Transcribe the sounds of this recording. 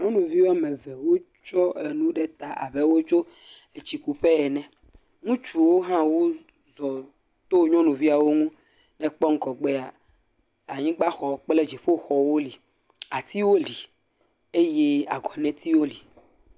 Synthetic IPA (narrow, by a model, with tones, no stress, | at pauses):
ɲɔ̃˦nũ˨vi˦wo˦a˦mẽ˨vɛ˨wo˦ | t͡ʃɔ˦e˨nũ˦ɖɛ˦t̪a˨a̰˨βɛ˦wo˦t͡ʃo˦ | e˨t͡ɕi˨ku˨ɸe˦ɛ˨nɛ̃˨ | ŋũ˦t͡ʃu˨wo˦ɦã˦wo˦ | zɔ˨ | t̪o˦ɲɔ̃˦nũ˨vi˦a˨wo˦ŋũ˦ | nɛ̃˨k͡pɔ˦ŋ̩˦kɔ˨ɡ͡be˦a˨ | a˨ɲĩ˦ɡ͡ba˦xɔ˨˦k͡ple˦d͡ʒi˨ɸo˦xɔ˨wo˦li˨ | a˨t̪i˦wo˦li˨ | e˦je˦a˨ɡɔ˨nɛ̃˦t̪i˦wo˦li˨